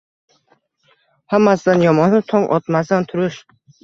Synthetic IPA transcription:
hamːasd̪anjɒmɒnɪt̪ʰɒŋʔɒ̰t̪mas̬d̪ant̪ʰʊɾɪʃ

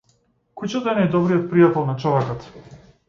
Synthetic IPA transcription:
kut͡ʃɔt̪ɛnajd̪ɔbɾijɔt̪̚pɾijat̪ɛlˠnat͡ʃɔvɛkɔt̪

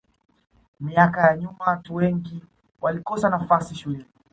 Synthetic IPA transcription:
miakajaɲumawatuwɛŋɡi | walikɔsanafasiʃulɛni

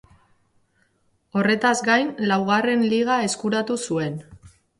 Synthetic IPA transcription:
o̞re̞t̪azɡajnlawɣ̞are̞nliɣ̞ae̞skuɾat̪usue̞n

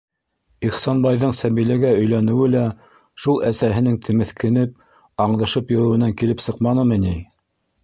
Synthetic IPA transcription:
iχsɑnbɑjðɤɴsæβilæɡæɵ̆jlænɘ̆wɘlæ | ʃulˠʔæsæɦɘ̆nɘŋt̪ʰɘ̆mɘ̆θkɘ̆nɘp̚ | ɑɴðɤ̆ʃɤpjŏɾɘ̆wɘ̆næŋkilɘpsɤqmɑnɤmɘ̆ni

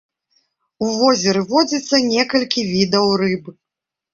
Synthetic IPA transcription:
uvɔzʲɛɾɨvɔd͡zʲit̪sːɐnʲɛkɐlʲkʲivʲid̪ɐwrɨbɨ

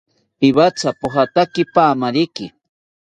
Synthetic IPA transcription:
pɪβat͡sapoxat̪akɪpaːmaɾɪkɪ

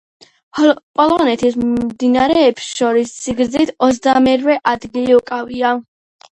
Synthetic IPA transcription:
pʼɔlˠɔnɛt̪ʰismd̪inaɾɛːbsʃɔɾisːiɡɾd̪zit̪ʰɔt̪zd̪amɛɾvɛʔad̪ɡiliukʼavia

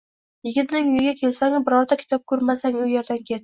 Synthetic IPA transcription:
jɪɡʲɪt̪nɪŋjʊjɪɡʲakʲʰe̞lsaŋbɪɾɒɾd̪akʲʰɪ̥t̪ʰɒp̚kʰɵɾmasaŋʊjeɾd̪ankʲʰe̞t̪

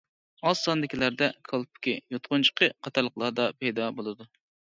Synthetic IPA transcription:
ɑsːɑnd̪ɪkʲilæɾd̪ɛkʰɑlˠpʰʊ̥kʲijot̪qʊnt͡ʃʰə̥qʰəqʰɑt̪ʰɑɾlˠəqlˠɑd̪ɑpʰɛjd̪ɑbolˠɨd̪u

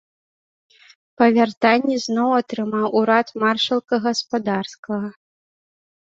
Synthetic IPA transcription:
pɐvʲart̪anʲːɛznɔwat̪ɾɨmawʔuɾat̪marʂɐlˠkɐɣɐspad̪arskɐɣɐ

